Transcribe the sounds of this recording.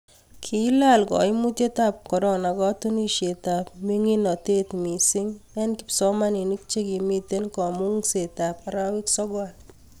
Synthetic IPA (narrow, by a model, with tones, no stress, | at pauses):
kʰi˨˦la˦lkɔ̰˨ɪ˦mu˦t̪e˦t̪a˦p̚kɔ˨ɾɔ˨na˨ɡɔ˦t̪u˦ni˦ʃe˨t̪a˨pmi˦ŋi˦nɔ˨t̪e˦t̪mi˨sɪ˦ŋɛ˦nkɪ̥˨psɔ˦ma˦ni˨ni˦k̚t͡ʃe˦ɡi˨mi˦t̪e˦nkɔ˨mu˦ŋse˨t̪a˨pa˨ɾawi˦ksɔ˦ɡal